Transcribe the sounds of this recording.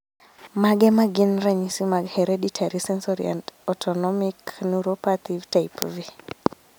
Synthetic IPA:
maɡɛmaɡinɾaɲisimaɡhɛɾeɗitʰaɾisɛnsɔɾḭa̰ndɔtʰɔnɔmiknuɾopat̪ivtajpvi

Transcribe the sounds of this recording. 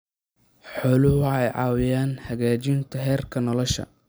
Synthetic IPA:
ħɔːlʊwɑħɛjʕɑ̰ːwɪjaːnhɐɣaːt͡ʃɪnt̪ʰɐɦɛːrkʰɐnɔlɔʃɐ̰

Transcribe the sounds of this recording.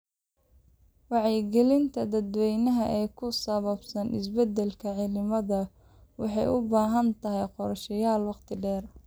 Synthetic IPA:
wɑʕɛjɡɛlɪnt̪ʰɐd̪ɐd̪wɛjnɐɦɐʔɛːkʰʊsɐβɐbsɐnʔɪ̰sbɛd̪ːɛlkʰɐʕɪlɪmɐðɐ | wɑ̰ħɑjʔʊbaːɦɐnt̪ʰɐɦɛjqɔɾʃɐjaːlwɑqt̪ʰɪɖɛːr

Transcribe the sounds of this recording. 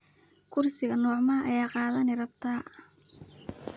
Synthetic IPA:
kʰʊrsɪɣɐnɔːʕmaːʔɐjaːqɑːðɐnɛrɐbt̪ʰaː

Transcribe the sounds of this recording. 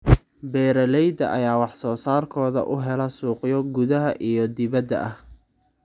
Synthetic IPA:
bɛːɾɐlɛjd̪ɐ̰ʔɐ̰jaːwɑħsɔːsaːrkʰɔːðɐ̰ʔʊɦɛlɐsuːqɪjɔɡʊðɐɦɐʔijɔd̪ɪβɐd̪ːɐ̰ʔɐh

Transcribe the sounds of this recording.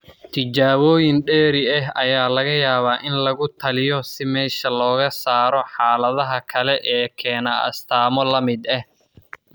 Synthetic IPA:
t̪ʰɪt͡ʃaːβɔːjɪnɖɛːɾɪɐɦɐjaːlɐɣɐjaːβaːʔɪnlɐɣʊt̪ʰɐlɪjɔsɪmɛːʃɐlɔːɣɐsaːɾɔħaːlɐðɐɦɐkʰɐlɛʔɛːkʰɛːnɐʔɐ̰st̪ʰaːmɔlɐmɪd̪ɐh

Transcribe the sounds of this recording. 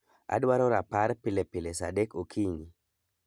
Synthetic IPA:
a̰dwaɾɔɾapaɾpɪlepɪlesa̰dɛkokʰiɲi

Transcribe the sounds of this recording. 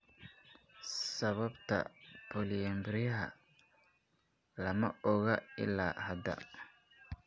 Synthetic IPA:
sɐβɐbt̪ʰɐ̰pʰɔlɪjɐmbɪɾɪjɐɦɐ̰ | lɐmɐɔɣɐɪ̰laːhɐd̪ɐ̰

